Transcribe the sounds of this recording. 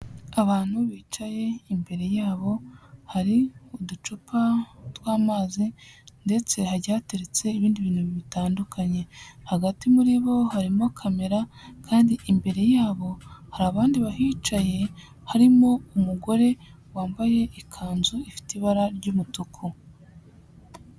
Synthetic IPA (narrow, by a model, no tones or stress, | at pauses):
aβaːn̥huβiːt͡ʃaje̞imbe̞ɾe̞jaːβo̞haɾiudut͡ʃupatwaːmaːzinde̞t͡se̞haɾɟaːte̞ɾet͡se̞iβiːndiβiːnhuβiβitaːndukʰaɲe̞haɡatimuɾiβo̞haɾimo̞kʰame̞ɾakʰaːndiʔimbe̞ɾe̞jaːβo̞haɾaːβaːndiβahiːt͡ʃaje̞ | haɾimo̞umuɡo̞ɾe̞ | waːmbaje̞ʔikʰaːnzuifi̥tiβaɾaɾɟuːmutukʰu